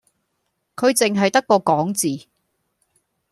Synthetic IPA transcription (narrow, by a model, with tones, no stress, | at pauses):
kʰɵ˨˧ɥt͡sɪ˨ŋɦɐ˨jt̪ɐ˥kːɔː˧kɔː˨˥ŋt͡siː˨